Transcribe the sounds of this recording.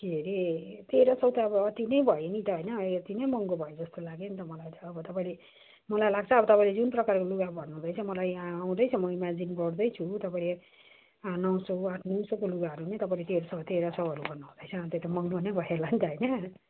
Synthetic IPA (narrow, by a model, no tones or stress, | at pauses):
keɾet̪eɾʌsʌwt̪aːbʌt̪inʌjbʱʌjenit̪ʌɦʌjnʌt̪inʌjmʌŋɡobʱʌjed͡zʌst̪olaɡent̪ʌmʌlajt̪ʌːbʌt̪ʌpãĩle | mʌlajlaɡ̚t͡sʰʌːbʌt̪ʌpaĩled͡zunprʌkarkoluɡabʱʌnːũd̪ʌjt͡sʰʌmʌlajaw̃d̪ʌjt͡sʰʌmʌimad͡zinbʌɽd̪ʌjt͡sʰut̪ʌpaĩle | nʌwsʌaʈʰnuwsokoluɡaɦʌɾunit̪ʌpãĩlet̪eɾosʌt̪eɾʌsʌwɦʌɾubʱʌnaw̃d̪ʌjt͡sʰʌt̪et̪ʌmʌŋɡonʌjbʱʌelant̪ʌɦʌjnʌ